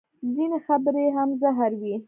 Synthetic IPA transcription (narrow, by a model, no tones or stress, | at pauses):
zinexabɾeɦamzaɦaɾwi